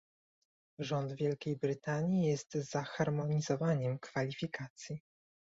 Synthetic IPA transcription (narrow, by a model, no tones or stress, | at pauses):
ʐɔnd̪vʲjɛlkʲejbɾɘt̪aɲijɛst̪zaxaɾmɔɲizɔvaɲɛmkfalʲifʲikat̪sʲji